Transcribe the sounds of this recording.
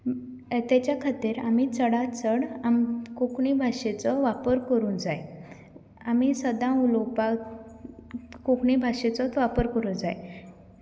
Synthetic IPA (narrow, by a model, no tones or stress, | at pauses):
t̪at͡ɕjakʰat̪iɾamit͡səɽat͡səɽamkokɳibʱaʂet͡sɔʋapəɾkəɾuːnd͡zaj | amisəd̪ãulɔpa | kokɳibʱaʂet͡sɔt̪ʋapəɾkəɾuːnd͡zaj